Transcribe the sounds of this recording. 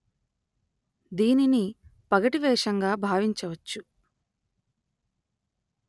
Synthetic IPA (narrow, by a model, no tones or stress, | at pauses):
d̪iːninipɐɡɐʈiʋɛːʂɐŋɡaːbʱaːʋiɲt͡ʃɐʋɐt͡ʃːu